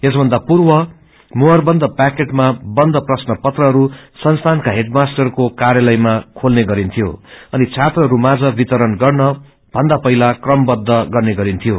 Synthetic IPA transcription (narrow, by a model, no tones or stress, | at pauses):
esbʱʌnd̪apurwʌ | moɦʌrbʌnd̪ʌpakeʈmabʌnd̪ʌprʌsnʌpʌt̪rʌɦʌɾusʌnst̪ʰankaɦeʈmasʈʌrkokaɾjalʌjmakʰolneɡʌɾint̪ʰijo̰ʌnit͡sʰat̪rʌɾumad͡zʌbit̪ʌɾʌnɡʌrnʌ | b̥ʱʌnd̪apʌɦilakrʌmbʌd̪ʱːʌɡʌrneɡʌɾint̪ʰijo